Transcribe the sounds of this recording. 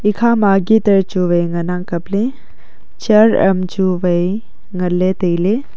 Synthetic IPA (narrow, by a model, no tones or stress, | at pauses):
ikʰamaɡitɐɾt͡ʃuʋɐjŋɐnaŋkɐple | t͡ʃɐɾɐ̰mt͡ʃuʋɐj | ŋɐlːet̪əjle